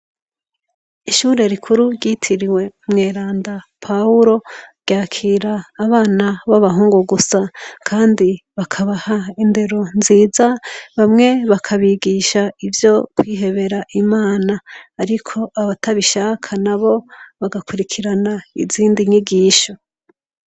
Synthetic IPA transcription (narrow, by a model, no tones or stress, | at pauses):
iʃuːɾe̞ɾikʰuɾuɟitʰiɾiwe̞mŋe̞ːɾaːndapʰauɾo̞ɾɡɟaːkʰiːɾaːβaːnaβaβaɦuːŋɡuɡusakʰaːndiβakʰaβahainde̞ɾo̞nziːzaβamŋe̞βakʰaβiɡiʃaivjo̞kwiːɦe̞βe̞ɾaʔimaːnaːɾikʰo̞ʔaβatʰaβiʃaːkʰanaβo̞βaɡakʰuɾikʰiɾanaḭziːndiɲiɡiːʃo